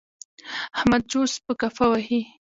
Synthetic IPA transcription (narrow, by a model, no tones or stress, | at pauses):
ahmad̪̚d͡ʒospəkafawahi